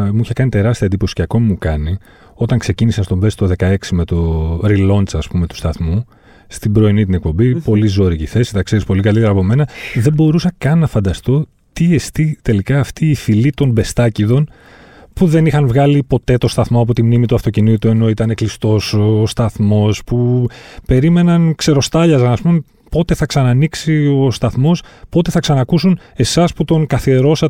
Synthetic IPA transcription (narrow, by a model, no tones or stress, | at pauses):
muiçɐkɐnit̪e̞ɾɐst̪iɐend̪ipo̞si̥ceɐko̞mimukɐni | o̞t̪ɐŋkse̞cinisest̪o̞mbe̞st̪o̞ðe̞kɐe̞ksimet̪o̞ɾilo̞nt͡sɐspume̞t̪u̥st̪ɐθmu | st̪ibɾo̞init̪ine̞k̚po̞mbipo̞lizo̞ɾiciθe̞sit̪ɐkseɾispo̞likɐlit̪eɾɐpo̞me̞nɐðe̞bo̞ɾusɐkɐnɐfɐnd̪ɐst̪o̞ | t̪ie̞st̪it̪e̞likɐːft̪iːfilit̪o̞nbe̞st̪ɐciðo̞n | puðe̞nixɐnvɣɐlipo̞t̪e̞t̪o̞st̪ɐθmoɐpo̞t̪imnimit̪uɐft̪o̞cinit̪ue̞no̞it̪ɐne̞klist̪o̞sːst̪ɐθmo̞spupe̞ɾime̞nɐnkse̞ɾo̞st̪ɐʎɐzɐnɐspume | po̞t̪e̞θɐksɐnɐniksio̞st̪ɐθmo̞spo̞t̪e̞θɐksɐnɐkusune̞sɐsput̪o̞ŋkɐθie̞ɾo̞sɐ